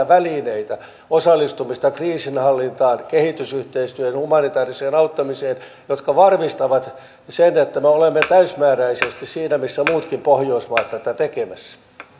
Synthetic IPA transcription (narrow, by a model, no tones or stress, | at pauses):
æʋælineit̪æ | osɑlːˑist̪umist̪ɑkriːsinhɑlːint̪ɑːnkehit̪ysyht̪eist̪yøenhumɑnit̪ɑːriseːnɑut̪ːɑmiseːn | jot̪kɑʋɑrmist̪ɑʋɑt̪ | senet̪ːæmeolemːet̪æysmæːræisest̪issiːnæmisːæmuːt̪kimpohjoismɑːt̪ːæt̪æt̪ekemæsː